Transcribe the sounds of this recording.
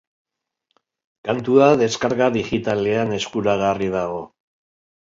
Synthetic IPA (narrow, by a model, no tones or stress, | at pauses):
kant̪uaðe̞skaɾkaðiɣit̪ale̞ane̞skuɾaɣ̞ariðaɣ̞o̞